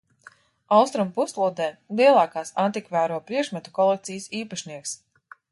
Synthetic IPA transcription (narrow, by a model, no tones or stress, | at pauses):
awst̪ɾumpuslˠuɔd̪ɛːlˠiɛlˠaːkaːsant̪ikvæːɾuɔpɾiɛkʃmat̪u̥kɔlˠɛk̚t̪sijsiːpaʃniɛks